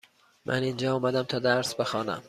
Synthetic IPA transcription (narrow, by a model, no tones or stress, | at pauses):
mʔæ̰nind͡ʒɒːɒːmæd̪æmt̪ʰɒːd̪æɾsbexɒːnæ̰m